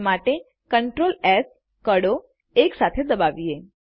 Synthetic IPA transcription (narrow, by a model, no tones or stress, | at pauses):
maʈe | kəɳʈɾoles | kəɽo | eksat̪ʰed̪əbaʋie